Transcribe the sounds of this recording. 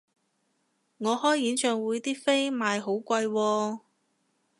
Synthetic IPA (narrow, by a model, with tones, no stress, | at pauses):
ŋɔː˨˧hɔː˥jjiː˨˥nt͡ʃʰœː˨ŋwuː˨˧jt̪iː˥fe˥jmaː˨˧jɦo˨˥wkʷɐ˧jwɔː˧